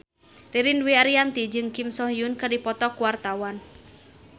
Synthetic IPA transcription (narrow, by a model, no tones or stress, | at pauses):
riɾindwiaɾiant̪id͡ʒɨŋkimsɔhjunkadipɔt̪ɔkuwart̪awan